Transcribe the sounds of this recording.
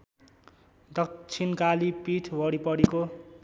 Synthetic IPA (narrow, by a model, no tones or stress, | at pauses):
d̪ʌkt͡sʰinkalipiʈʰbʌɽipʌɽiko